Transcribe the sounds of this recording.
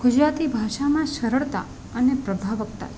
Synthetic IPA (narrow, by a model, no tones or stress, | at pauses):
ɡ̥ʊd͡ʒɾat̪ibʱaʃamãʃəɾəɭt̪a̰ | ənepɾəbʱaʋək̚t̪a̰